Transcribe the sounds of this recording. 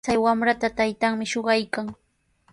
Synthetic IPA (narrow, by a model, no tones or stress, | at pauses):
t͡sajwamɾat̪at̪ajt̪aŋmɪʃoɢɑjkaŋ